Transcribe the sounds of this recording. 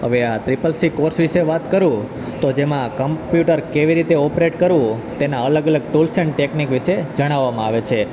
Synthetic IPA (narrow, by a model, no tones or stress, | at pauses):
ɦəʋeat̪ɾipəlsikoɾsʋiʃeʋat̪kəɾũ | t̪od͡ʒemãkəmpjuʈəɾkeʋiɾit̪eɔpɾeʈkəɾũt̪enaələɡələɡ̚ʈulsəɳʈeknikʋiʃed͡ʒəɽ̃aʋːamãaʋet͡ʃʰe